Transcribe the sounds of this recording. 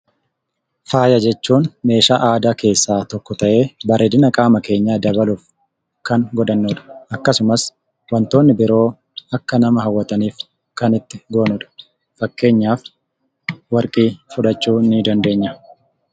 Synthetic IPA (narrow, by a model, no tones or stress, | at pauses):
faːjɐd͡ʒɛt͡ʃːuːnme̞ːʃaːʔaːd̪aːke̞ːsːaːt̪ɔkːɔt̪ɐʔe̞ːbɐɾed̪ɪnɐkʼaːmɐke̞ːɲːad̪ɐbɐluːf | kɐŋɡɔᶑ̪ɐnːoᶑɐ̥ɐkːɐsʊmɐs | wɐnt̪o̞ːnːɪbɪɾo̞ː | ɐkːɐnɐmɐɦɐwːɐt̪ɐniːf | kɐnɪt̪ːɪɡoːnɔᶑɐ̥ | fɐkːe̞ːɲːaːf | wɐɾkʼiːfʊᶑɐt͡ʃːuːnːɪd̪ɐnd̪e̞ːɲːɐ